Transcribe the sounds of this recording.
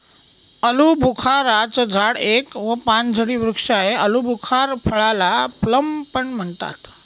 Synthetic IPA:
əlubʱukʰaɾat͡səd͡zʱaɽekʋəpand͡zʱəɽiːʋɾukʂaɦeʔəlubʱukʰaɾpʰəɭalapləmpəɳm̤əɳt̪a̰t̪

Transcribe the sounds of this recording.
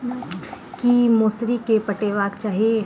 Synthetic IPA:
kimoːsɾikepəʈeːʋaːkt͡ʃaːɦie

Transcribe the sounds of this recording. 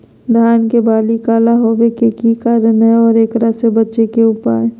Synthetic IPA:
d̪ʱaːnkebaːlikaːlaɦoːʋekekikaɾəneɔːɾeːkɾasebətːʃekeʊpa̰ːe

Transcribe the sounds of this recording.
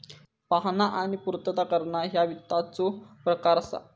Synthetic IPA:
paɦnaʔaɽ̃ipuɾt̪ət̪akəɾɳaɦjaʋit̪ːat͡sopɾəkaɾəsa̰

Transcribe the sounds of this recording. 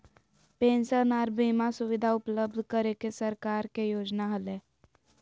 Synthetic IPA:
pẽːnsənaːɾbiːmasuʋɪd̪ʱaʊpləb̚d̪ʱkəɾekesəɾkaːɾkejoːd͡ʒnaɦəle

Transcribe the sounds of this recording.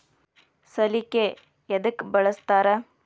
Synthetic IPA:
sɐlike | ed̪ukbɐɭɐst̪aːɾɐ

